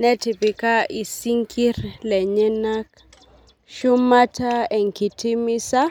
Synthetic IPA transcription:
nɛ˦ti˨pi˨ka˦ʔi˨si˦ŋkʰi˦rlɛ˨ɲɛ˦na˦k | ʃu˦ma˦ta˦ɛ˨ŋ˨ki˨ti˦mi˦sa˦

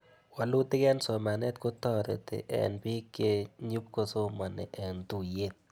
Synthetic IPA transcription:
wa˨lu˦tɪ˦kɛ˦nsɔ˨ma˨nɛ˦t̪ko˦tɔ˦ɾḛ˨tɪ̰˨ʔɛ̰˨npi˦kːe˦ɲu˦p̚ko˦so˦ma˨nɛ̰˨ʔɛ˨ntu˦˨je˦t̪̚

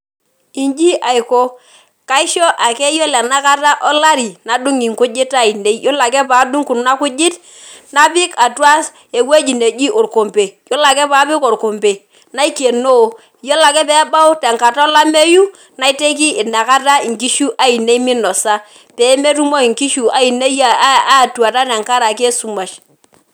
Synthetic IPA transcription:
i˨nd͡ʒi˦ʔa˨ɪ˨ko˦ | ka˦ɪ˦ʃɔ˦ʔa˨kɛ˦jo˦lɛ˨na˦ka˦ta˦ʔɔ˦la˦ɾi˨na˨du˦ŋi˨ŋkʊ˦d͡ʒɪ˦ta˦˨i˨ne˦i˦jo˦la˨k̬ɛ˦paː˨˦du˦ŋku˨n˦na˦kʊ˦d͡ʒɪ˦t | na˦pɪ˦ka˨twa˦s | e˨we˦d͡ʒi˨ne˨d͡ʒi˦ʔʊ˨ɾko˨mpe˨jo˦la˨kɛ˦pa˨˦pɪ˦ko˨ɾko˨mpe˨ | na˦i˦ke˨no˦˨ | jɔ˦la˨kɛ˦pɛ˦ba˦ʊ˦tɛ˨ŋka˨ta˦ɔ˦la˦me˦ju˦ | na˨˦i˦te˦k̬i˦ɪ˨na˨ka˦ta˦i˨ŋki˦ʃu˦ʔa˦i˨ne˦i˦mi˦nɔ˨sa˦ | pɛː˨˦me˦tu˦mo˦i˨ŋki˦ʃu˨a˨˦i˨ne˦ja˦˨˦a˦˨twa˨ta˦tɛ˨ŋka˦ɾa˨ke˦su˨˦ma˨ʃ

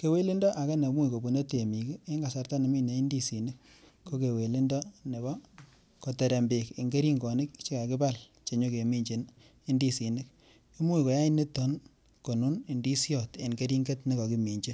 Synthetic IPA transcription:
ke˨we˦li˦ndɔ˦ʔa˨ka˦ne˨mu˦i˨ko˨bu˨ne˦te˨mi˨ki˦e˦ŋɡa˨sa˨˦rta˦ne˨mi˦ne˨˦i˦ndi˦si˨nɪ˦k | kːo˦ke˨we˨li˦ndɔ˦ne˨βɔ˦ | ko˨te˨ɾe˨mbe˨ki˨ŋɡe˦ɾi˦ŋɡɔ˨nɪ˦k̚t͡ʃe˦ka˨kɪ˦ba˦˨l | t͡ʃe˨ɲo˦ke˨mi˦ɲd͡ʒe˨n | i˦ndi˦si˨nɪ˦k | i˦mu˦i˨ko˨ja˦i˦ni˦tɔ˦n | ko˨nu˦ni˨ndi˦sjɔ˨tḛ˨ŋɡe˦ɾi˦ŋɡe˦tni˦kɔ˨ki˨mi˨ɲd͡ʒi˦

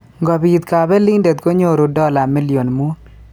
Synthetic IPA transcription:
ŋɡɔ˨bi˨t̪̚ka˨bɛ˦lɪ˦ndɛ˨t̪̚ko˦ɲo˦ɾo˨dɔ˦la˨mɪ˦lɪ˨o˨nmu˦n

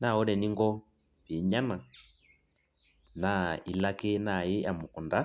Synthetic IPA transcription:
na˨ɔ˦ɾɛ˨ni˦ŋɡɔ˦ | βi˨ɲa˦na˨ | na˨i˨la˦kɛ˦na˨ji˦ja˨mu˨ku˨nda˦

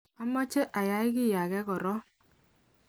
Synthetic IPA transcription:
a˦mɔ˦t͡ʃe˦ʔa˨ja˨˦ɪ˦kɪ˦˨ja˨ɣɛ˦kɔ˨ɾɔ˦

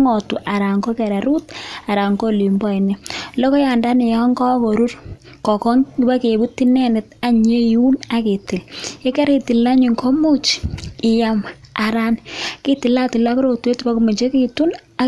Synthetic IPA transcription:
ŋɔ˨tu˨ʔa˨ɾa˨ŋko˦ke˨ɾa˨ɾu˦ta˨ɾa˨ŋko˦li˨mbɔ˦i˨nɛ˦lɔ˦kɔ˦ja˨nda˦ne˨ja˦ŋkɔ˦ko˨ɾu˦r | kɔ˨kɔ˦ŋɪ˦ba˦ke˨bu˦tːi˦nɛ˦nɪ˨ta˨ɲe˦ju˦na˦ke˨ti˨le˦ke˦ɾe˦ti˨lːa˦ɲi˨ŋkʰo˦mu˦t͡ʃɪ˨ja˦maa˨ɾa˦nki˦ti˨la˦ti˨la˦kɾo˨tu˨le˦tpa˦kume˨t͡ʃe˦ki˦tu˦n | a˨

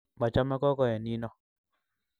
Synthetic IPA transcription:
ba˨t͡ʃa˦mɛ˦kɔ˦ɡɔ˦jɛ˨ni˦nɔ˦

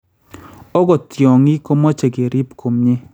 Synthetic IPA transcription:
ɔ˦ɡɔ˨t̪jɔ˨ŋi˦ko˦mɔ˦t͡ʃe˨ɡe˨ɾʔi˦pkʰo˨mɲe˦

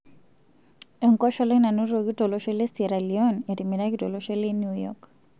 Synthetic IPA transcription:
e˨ŋkɔ˦ʃɔ˦lna˨nu˦ɾo˨ki˦to˨lo˦ʃɔ˦le˦se˨ɾa˨li˨ɔ˦ne˨ɾi˨mi˨ɾa˦ki˦to˨lo˦ʃɔ˦le˦nju˦jɔ̰k

